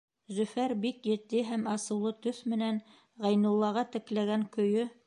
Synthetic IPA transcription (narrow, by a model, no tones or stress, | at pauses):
zɵ̆fæɾbikjɘ̆t̪ːɘɦæmɑsɤ̆wlˠɤt̪ɵθmɘ̆næn | ʁæjnŭlˠːɑʁɑt̪ɘ̆klæɡæŋkɵ̆jɵ